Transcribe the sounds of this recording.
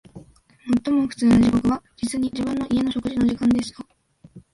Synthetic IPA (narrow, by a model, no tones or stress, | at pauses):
mo̞t̪ːo̞mo̞ɸɯ̟̥t͡sɨːnoʑikokɯ̟βad͡ʑit͡sɨɲ̟iʑibɯ̟̃nːo̞ʔie̞nɕo̞kɯ̟ʑino̞ʑikãnd̪e̞ɕɨ̥t̪a